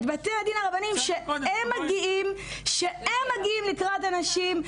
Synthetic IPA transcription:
t̪bat̪enad̪inaʁabanimʃeemːaɡiʔimʃeemːaɡiimlikʁat̪anaʃim

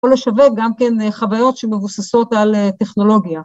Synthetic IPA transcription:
oleʃave̞k̚ɡamke̞nχavajo̞tʃeme̞vusaso̞t̪aleteχno̞lo̞ɡja

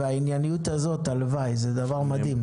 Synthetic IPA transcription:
aɪnjanijuːtazotaləvaɪzɪdavaʁmadɪm

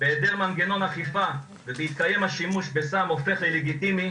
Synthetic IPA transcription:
beːd̪e̞ʁmanɡe̞no̞naχifa | vebeit̪̚kaje̞mhaʃimuʃbe̞samofe̞χleleɡit̪imi

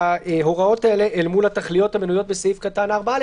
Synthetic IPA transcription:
ɦo̞ʁao̞taeleʔelmulataχlijo̞thamenujo̞t̚besaifkatanaːʁbal

